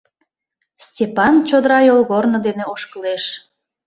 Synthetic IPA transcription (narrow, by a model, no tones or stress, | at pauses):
stʲepɑnt͡ɕod̪əɾɑjolˠɣornod̪eneoʃkəleʃ